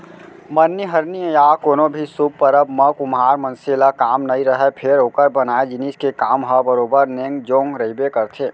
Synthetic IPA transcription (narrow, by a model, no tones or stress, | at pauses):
mənːiɦəɾniẽjaːkoːnobʱisub̚pəɾəbməkʊmɦaːɾmə̃nselakaːmnɐĩɾəɦɛpʰɪɾoːkəɾbənaːed͡ʒɪniskekaːmɦəbəɾoːbəɾnẽːŋɡd͡ʒoːŋɡɾəibekəɾt̪ʰeː